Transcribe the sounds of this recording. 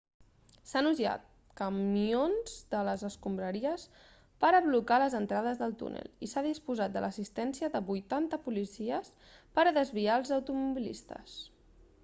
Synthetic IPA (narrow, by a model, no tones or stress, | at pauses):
sanuʒa̰t̪̚ | kəmionz̥d̪ələzəskumbɾəɾiəs | pəɾəβlukaləzənt̪ɾaðəzðəlˠt̪ṵnə̰lˠisaðispuzat̪̚d̪ələsist̪ɛnsiəðəβujt̪ant̪əpulisiəs | pəɾəðəzβiaəlˠzəwt̪umuβilḭst̪ə̰s